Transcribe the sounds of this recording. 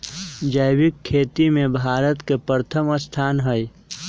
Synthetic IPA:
d͡ʒəjbɪkʰːeːt̪imẽbʱaːɾət̪kepəɾət̪ʰəməst̪ʰaːnɦəj

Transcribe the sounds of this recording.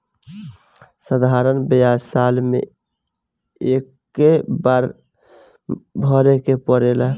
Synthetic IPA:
səd̪ʱaɾənbəjad͡ʒsalmḛ | ekː | ebaɾ | bʱəɾekepəɾela

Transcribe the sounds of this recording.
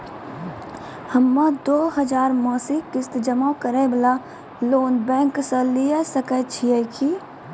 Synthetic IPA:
həmːãd̪oːɦɐd͡ʒaːɾmɔːsikɪst̪d͡ʒəmakəɾebla | loːnbɛ̃ːŋksə̃lijesəkət͡ʃʰiɛkʰi

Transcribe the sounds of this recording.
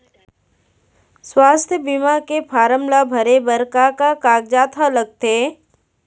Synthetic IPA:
swaːst̪ʰjəbimakepʰaːɾəmlabʱəɾebəɾkakakaːɡ̚d͡ʒaːt̪ʰaləɡ̚t̪eː

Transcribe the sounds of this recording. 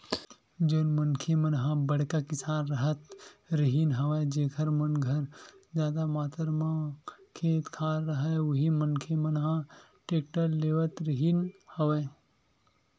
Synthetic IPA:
d͡ʒoːnmənkʰemənɦãbɐɽ̤kakɪsaːnɾɐɦət̪ɾəɦinɦɐʋad͡ʒeːkʰəɾmənɡʱəɾd͡ʒjaːd̪amaːt̪əɾmãkʰeːt̪kʰaːɾɾɐɦaewɐɦimənkʰemənɦã | ʈeːk̚ʈəɾleːʋət̪ɾɪɦinhɐʋeː

